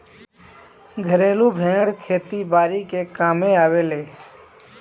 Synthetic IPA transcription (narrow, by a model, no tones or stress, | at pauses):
ɡʱəɾeːlubʱẽːŋəɽkʰeːt̪ibaːɾikekaːmeaːweːleː